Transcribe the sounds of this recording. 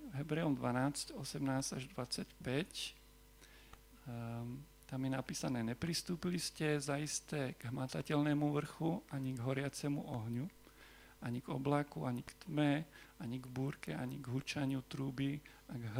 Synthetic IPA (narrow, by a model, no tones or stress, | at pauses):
vɦɛbɾɛːɔmd̪ʋanaːt͡scɔsɛmnaːsaʒd̪ʋat͡sacpɛc | t̪amjɛnapiːsanɛːɲɛpɾist̪uːpiliscɛzaist̪ɛːɡ̥ɦmat̪acɛlnɛːmuʋr̩xuʔaɲiɡɦɔɾɪat͡sɛmuʔɔɦɲu | ʔaɲiɡɔblakuaɲikt̪mɛaɲiɡbuːɾkɛaɲiɡɦut͡ʃaɲɪut̪ɾuːbi | aɡɦ